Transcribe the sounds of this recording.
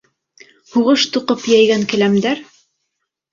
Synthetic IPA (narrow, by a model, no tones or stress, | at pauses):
huʁɤʃt̪uqɤpjæjɡæŋkɘ̆læmd̪æɾ